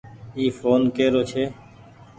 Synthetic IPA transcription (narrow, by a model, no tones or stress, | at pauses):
iːfoːnkeːɾoːt͡ʃʰeː